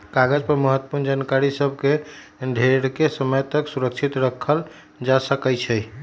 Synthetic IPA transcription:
kaɡəd͡ʒpəɾməɦət̪ːə̥puɾnd͡ʒankaɾisəb̚ʱkeɖʱeɾkesəməjt̪əksuɾək̚t͡ʃʰit̪ɾəkʰəl | d͡ʒasəkɛt͡ʃʰɛj

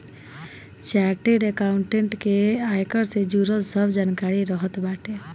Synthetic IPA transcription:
t͡ʃaɾʈeɖekawɳʈeɳʈkeajkɔɾsed͡ʒuɾəlsəbʱd͡ʒankaɾiɾɔɦɔt̪baʈe

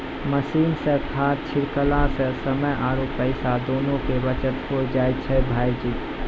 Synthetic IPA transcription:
məsiːnsẽk̪ʰaːt̪̚t͡ʃʰɪɾkəlãsẽsəməjʔaːɾopəɪsad̪oːnõkebət͡ʃət̪ɦod͡ʒaːjt̪̚t͡ʃʰɛbʱaːid͡ʒiː

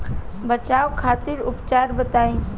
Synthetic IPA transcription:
bət͡ʃaːwkʰat̪iɾʊpt͡ʃaːɾbət̪aːĩ

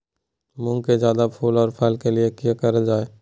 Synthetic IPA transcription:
mʊ̃ŋɡkezjaːd̪apʰuːlɔːɾpʰɛːlkeliekijakəɾəd͡ʒaːeː

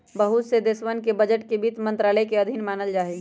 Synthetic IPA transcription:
bəɦut̪sed̪eːsʋənkebɐd͡ʒəʈkebiːt̪mɐ̃nt̪ɾaːləjkeɐd̪ʱɪnmaːnəld͡ʒaːɦeɡ

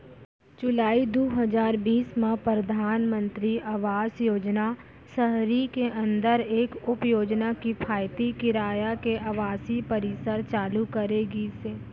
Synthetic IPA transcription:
d͡ʒʊlaːid̪oɦəzaːɾbiːsmẽpɾɾəd̪ʱaːnmə̃nt̪ɾiʔɐʋaːsjoːd͡ʒna | səɦɾikeʔɐ̃nd̪əɾeːkʊpjoːd͡ʒnakipʰaːjt̪ikɪɾaːjakeʔɐʋaːsipɐɾisəɾt͡ʃaːlukəɾeːɡiseː

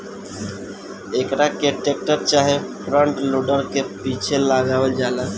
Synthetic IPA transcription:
ekɾakeʈek̚ʈəɾt͡ʃaɦepʰɾəɳʈloɖəɾkepit͡ʃʰelaɡaʋəld͡ʒala

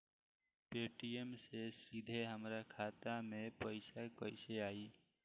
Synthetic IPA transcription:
peːʈiemsesid̪ʱeɦəmɾakʰaːt̪amẽpəɪsakəɪseaːiː

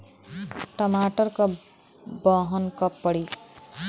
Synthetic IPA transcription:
ʈʌmaʈʌrkʌ | bʌɦʌnkʌpːʌɽi

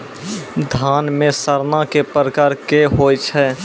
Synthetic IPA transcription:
d̪ʱaːnmẽsəɾnakepəɾəkaːɾkeɦoːjt͡ʃʰɛː

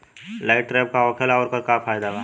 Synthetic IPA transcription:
laɪʈːɾeːp̚kaɔːkʰelaɔːɾkɐɾkafaːjd̪abaː

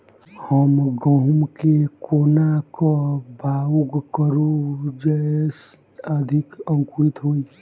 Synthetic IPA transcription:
həmɡəɦumkekoːnakobʱauɡkəɾud͡ʒɛs | əd̪ʱɪkə̃ŋkuit̪ɦoːi

